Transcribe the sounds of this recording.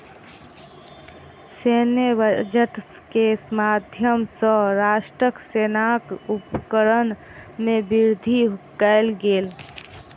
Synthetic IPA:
senbd͡ʒəʈs | kesmad̪ʱjəmsə̃ɾaʃʈɾəksenakupkəɾən | mẽbiɾd̪ʱikəɪlɡeːl

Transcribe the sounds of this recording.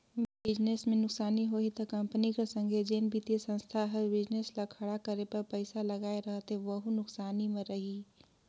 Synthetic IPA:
bɪd͡ʒnesmẽnʊksaːniɦoɦit̪ɔkɐmpənikesə̃ŋɡʱed͡ʒenbit̪esə̃nst̪ʰaɦɛbɪd͡ʒneslakʰɐɽakəɾepɐɾpəɪsaləɡaːeɾəɦət̪ɦẽʋəɦunʊksaːnimẽɾəɦi

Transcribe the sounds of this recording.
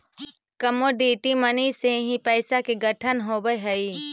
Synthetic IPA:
kəmoɖiːʈiməniseɦĩpɛːsakeɡəʈʰənɦoːbəjɦəi

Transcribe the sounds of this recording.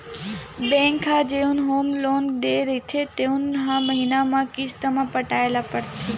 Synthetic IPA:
bɛ̃ŋkʰad͡ʒeũnɦomlɔŋd̪eɾit̪ʰet̪eũnɦãməɦinamãkist̪əmãpəʈaelapəɽt̪ʰi

